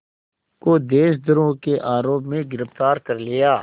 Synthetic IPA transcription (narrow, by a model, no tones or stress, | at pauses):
kod̪eːʃd̪əɾõkeʔaːɾoːpmẽɡɪɾəft̪aːɾkɐɾlɪjaː